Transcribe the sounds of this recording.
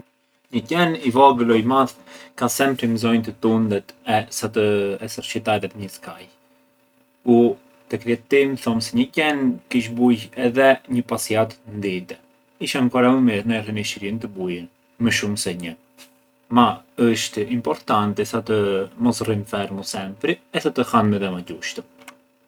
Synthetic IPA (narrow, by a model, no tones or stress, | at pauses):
ɲəcɛnivɔɡlɔjmaðkasɛmpɾimzɔjnt̪ət̪und̪ɛt̪ɛsat̪əɛsəɾʃit̪aɾɛt̪ɲəskaj | ku | t̪əkɾiɛt̪imθɔmsɛɲəcɛnkiʃ̬bujɛðɛɲəpasiat̪ənd̪it̪ɛ | iʃankɔɾaumiɾnɛriniʃiɾint̪əbujən | məʃumsɛɲə | maəʃt̪impɔɾt̪ant̪ɛsat̪əmɔsrimfɛɾmusɛmpɾiɛsat̪əhanmɛðɛmaɟuʃt̪ə